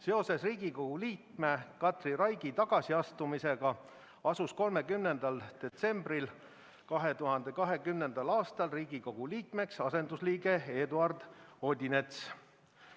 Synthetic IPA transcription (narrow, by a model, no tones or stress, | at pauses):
se̞o̞se̞sriːɡiko̞ɡ̥uliːkmekɑt̪rirɑjɡ̥it̪ɑɡ̥ɑsiɑst̪umise̞ɡ̥ɑ | ɑsusko̞lme̞kymne̞nd̪̥ɑld̪̥e̞t̪se̞mbril | kɑɦe̞t̪uɦɑnd̪̥e̞kɑɦe̞kymne̞nd̪̥ɑlɑːst̪ɑlriːɡ̥iko̞ɡ̥uliːkme̞ksɑse̞nd̪usliːɡe̞e̞ːd̪uɑrd̪o̞d̪ʲine̞t̪s